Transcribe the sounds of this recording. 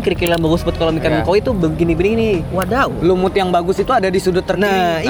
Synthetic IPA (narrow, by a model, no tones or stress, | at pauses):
kəɾikillanbaɡʊsbʊt̪̚kalomikanaŋkawit̪ubəɡinibəniŋiniwadaulumʊt̪jaŋbaɡʊsit̪uadadisudʊt̪ːərnai